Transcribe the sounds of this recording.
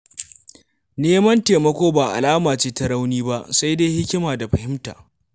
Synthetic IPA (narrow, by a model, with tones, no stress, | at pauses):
neː˦mɐ˦nteː˨mɐ˦kʷoː˦baː˨ʔa̰˨laː˦maː˨t͡ʃeː˦ta˦ɽa˦wniː˦ba˦ʔsa˦jde˦jhɪ˦kʲɪ˦maː˨da˨ɸɐ˨hɪ˦mta̰ː˨